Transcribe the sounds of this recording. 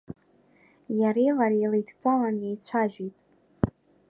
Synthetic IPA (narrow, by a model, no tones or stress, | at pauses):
jaɾejlaɾejlejdʰt͡pʷʼalanjejt͡ɕʷʰaʒᶣitʼ